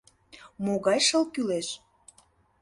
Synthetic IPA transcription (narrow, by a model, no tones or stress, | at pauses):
moɣɑjʃəlkyleʃ